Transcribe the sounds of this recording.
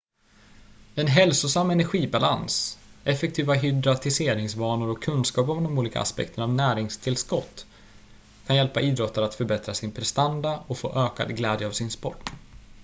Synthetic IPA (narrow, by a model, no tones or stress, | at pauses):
ɛnɦɛlsʊsamːɛnæɾɧiːbalansɛfːɛk̚t̪ʰiːvaɦʏd̪ɾat̪ʰɪseːɾɪŋsvɑːnʊɾɔkʰːɵnskɑːp̬ɔmd̪ɔmuːliːka̰a̰spɛ̰kt̪ʰəɳavnæːɾɪŋst̪ʰɪlskɔt̪ː | kʰanjɛlpaʔiːd̪ɾɔt̪ʰːaɾat̪fœɾbɛt̪ɾasɪnpʰɾɛst̪and̪aɔkfo̰ːʔøːka̰d̪ɡlɛːd̪jəavsɪnspɔʈː